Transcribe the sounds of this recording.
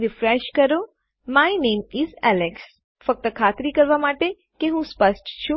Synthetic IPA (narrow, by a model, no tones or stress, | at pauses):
ɾɪfɾeʃkəɾo | majnẽːmɪzæleks | fək̚t̪əkʰaːt̪ɾikəɾʋamaːʈe | keɦũspəsʈt͡ʃʰũ